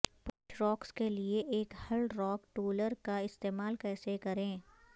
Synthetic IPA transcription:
pʊt͡ʃɾɔːkskelieʔeːkhɐlɾɔːkʈoːləɾkaɪst̪eːmaːlkɛːsekɐɾẽː

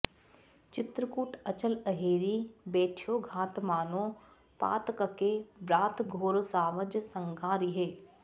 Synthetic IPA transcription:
t͡ʃɪt̪ɾəkuːʈʰət͡ʃələɦeːɾibeːʈʰjoːɡʱaːt̪maːnõː | pa̰ːt̪kəkebɾaːt̪ʰɡʱoːɾsaːməd͡ʒsə̃ŋɡaːɾiɦeː

